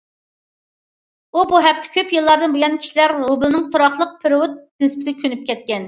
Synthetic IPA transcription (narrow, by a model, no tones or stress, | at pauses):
ubuɦɛk̚t̪ʰɛ̥kʲʰøpjɨlˠːɑɾd̪ɨnbujɑnkʲʰi̥ʃilæɾːobɪlɨnɨŋt̪ʰoɾɑχlˠəq̚pʰɪɾwut̪̚nɪspɪd̪ɪkʲʰønyp̚kʲʰɛt̪̚kʲɛn